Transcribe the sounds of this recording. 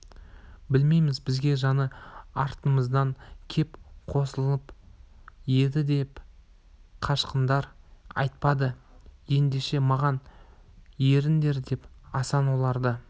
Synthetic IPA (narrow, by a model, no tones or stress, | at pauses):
bɪlme̞jmɪzbɪzɡʲe̞ʒɑnəɑɾt̪əməzd̪ɑŋkʲʰe̞pqʰo̞səlˠəəp | je̞d̪ɪd̪e̞p | qʰɑʃqənd̪ɑɾɑ̰jt̪̚pɑd̪əje̞nd̪e̞ʃe̞mɑʁɑn | je̞ɾɪnd̪e̞ɾd̪e̞pɑsɑnwo̞lˠɑɾd̪ə